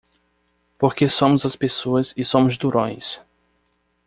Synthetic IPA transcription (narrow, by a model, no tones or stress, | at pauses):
poɾkesõmʊzɐspesoɐzɪsõmʊzd̪uɾõj̃s